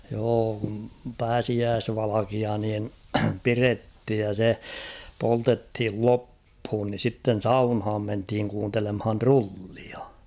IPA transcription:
joː kum pæːsiæːsʋɑlɑkiɑ niːn pirethij jɑ se poltethil lopːhuːn ni sitːen̞ sɑunhɑːm menthiŋ kuːntelemhɑn trulːiɑ

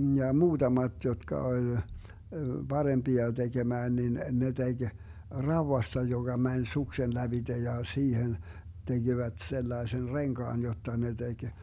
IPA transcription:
jɑ muːtɑmɑt jotkɑ olʲ b̥ɑremb̥iɑ teɡ̊emæːn nin ne teɡ̊ rɑuwɑstɑ joɡ̊ɑ mænʲ suksen læb̥id̥e jɑ siːhen teɡ̊iʋæt selːɑesen reŋkɑːn jotːɑ ne teɡ̊

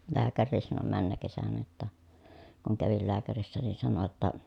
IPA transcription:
læːkærːiːs sɑno mænːækesænæ jotːɑ kuŋ kæʋil læːkærisːæ nin sɑno jotːɑ

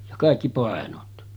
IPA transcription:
jɑ kɑˑikːi pɑˑenot

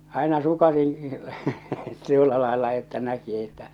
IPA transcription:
ɑˑenɑ sukɑsĩː tuolːɑ lɑˑelːɑ etːæ næki etːæ

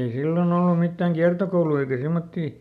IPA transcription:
ei silːon olːum mitːæˑŋ kiɑrtokoului eikæ semːotːiː

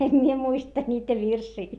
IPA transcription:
em mie muistɑ nʲiːtæ ʋirsiː

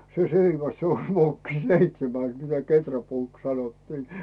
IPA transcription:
se seiʋæs se o ʋokːi seitsemæs mitæ ketræpuːks sɑnotːiː

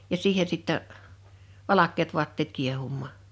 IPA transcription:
jɑ siːhe sitːɛ ʋɑlɑkˑeːt ʋuɑtːeːt kiehumːɑː

